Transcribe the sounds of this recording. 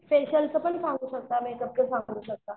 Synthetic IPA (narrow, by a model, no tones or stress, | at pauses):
feɕəlsəpənsãŋɡuːɕək̚t̪amẽkəb̚kəsãŋɡuːɕək̚t̪a